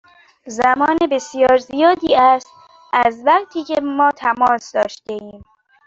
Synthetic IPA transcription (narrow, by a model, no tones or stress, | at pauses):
zæmɒːnebesijɒːɾzijɒːd̪iːæst̪ | ʔæzvæɣt̪ʰiːcʰe̞mɒːt̪ʰæmɒːsd̪ɒːʃt̪eʔiːm